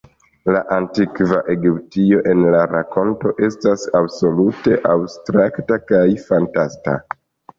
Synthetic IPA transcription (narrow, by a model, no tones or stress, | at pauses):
laʔantikvaʔe̞ɡiptio̞ʔe̞nlaɾako̞nto̞ʔe̞stasabso̞lute̞ʔabstɾaktakajfantasta̰